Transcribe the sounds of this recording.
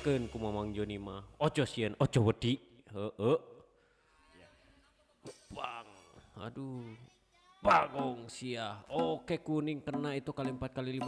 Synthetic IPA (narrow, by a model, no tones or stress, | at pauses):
kənkumamaŋd͡ʒonimaot͡ʃɔsiənot͡ʃɔwədiʔɦəəʔ | paŋa̰du | paɡɔŋsiahokekuniŋkərnait̪ukalimpat̪̚kalili